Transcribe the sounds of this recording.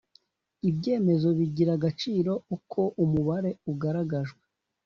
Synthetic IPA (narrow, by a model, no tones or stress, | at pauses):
ibɟe̞ːme̞zo̞βiɟiɾaɡat͡ʃiːɾo̞ukʰo̞ʔumuβaɾe̞uɡaɾaɡaʒɡwe